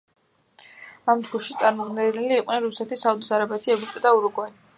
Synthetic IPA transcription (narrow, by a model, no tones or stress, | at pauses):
amd͡ʒɡuʃit̪sʼaɾmɔd̪nɛniliːqʼnɛnɾusɛt̪ʰisaud̪isaɾabɛt̪ʰiɛvɾupʼid̪auɾuɡʼɔn